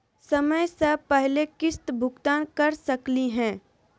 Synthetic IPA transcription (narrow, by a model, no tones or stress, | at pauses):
sɐməjsɐpɛɦlekɪst̪bʱʊɡt̪aːnkɐɾsɐkliɦɛ̃ː